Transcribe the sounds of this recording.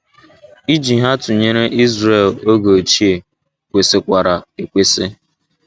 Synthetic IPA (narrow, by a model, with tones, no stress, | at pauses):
i˦d͡ʒi˨ɦa˦tʊ˨ɲe˦ɾe˦ʔi˦zɾe˨lo˦ɡo˨t͡ʃi˦e˨ | kʷe˨sɪ˨kʷa˨ɾa˨e˨kʷe˦sɪ˦